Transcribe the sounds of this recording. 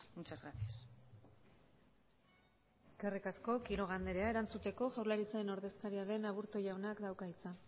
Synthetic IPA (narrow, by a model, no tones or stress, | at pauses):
mut͡ʃazɣɾasias | e̞̥ske̞rikasko̞kiɾo̞ɣ̞and̪e̞ɾeae̞ɾant͡sut̪e̞ko̞ʝawɾlaɾit͡saeno̞ɾðe̞skaɾiaðe̞naβ̞uɾt̪o̞jawnakd̪awkait͡sa